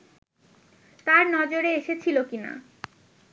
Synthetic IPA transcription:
t̪aɾnɔd͡ʑoɾeeʃet͡ɕʰilokina̰

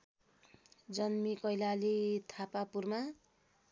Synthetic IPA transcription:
d͡zʌnmikʌjlalit̪ʰapapurma

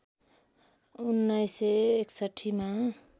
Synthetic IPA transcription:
unːʌjseeksʌʈʰːima

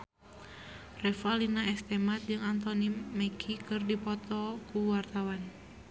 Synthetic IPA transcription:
rɛfalinaɛst̪ɛmat̪̚d͡ʒɨŋant̪ɔnimɛkʰikɨrdipɔt̪ɔkuwart̪awan

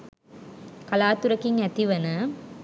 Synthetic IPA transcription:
kɐlaːt̪uɾɐkːiŋɐt̪iʋɐnɐ

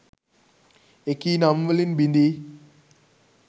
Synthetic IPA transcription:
ekinamvəlinbindi

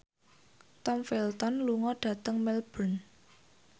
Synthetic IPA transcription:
t̪ɔmfelt̪ɔnluŋɔɖ̥ä̤t̪əŋmɛlb̥ən

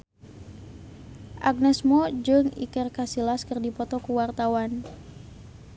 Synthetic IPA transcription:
ʔaɡ̚nɛsmɔd͡ʒɨŋḭkərkasilaskɨrdipɔt̪ɔkuwart̪awan

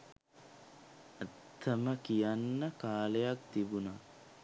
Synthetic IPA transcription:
ət̪ʰːəməkijanːəkaːlejakt̪ibuna

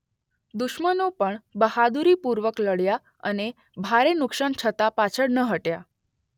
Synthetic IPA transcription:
d̪uʃmənopəɳbəhad̪uɾiːpuɾʋəkləɽja | ə̰ne | bʱaɾenukʂaɳt͡ɕʰət̪apat͡ɕʰəɽnəɦəʈja

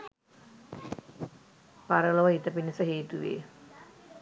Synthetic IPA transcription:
paɾəloʋəit̪əpinəsəɦeːt̪uʋḛː

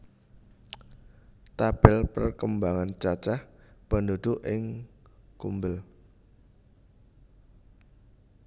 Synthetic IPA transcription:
t̪ab̥ɪlpərkəmbaŋant͡ʃat͡ʃahpənd̪ud̪̥ʊʔɪŋkumbəl

